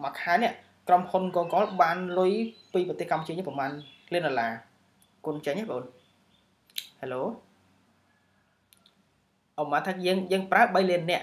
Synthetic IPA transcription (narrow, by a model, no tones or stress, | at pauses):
makʰaːnɛ̆əʔ | kromhunkoːŋkɑːlɓaːnlʊjpiːprɔt̪eːhkamput͡ɕiəɲəːəpɔmaːnliənɗolaː | kuənt͡ɕəɲʔaːɓəʔoːn | heloː | ʔomaːt̪ʰaːjəːŋjəːŋpraəɓəjliənːɛ̆əʔ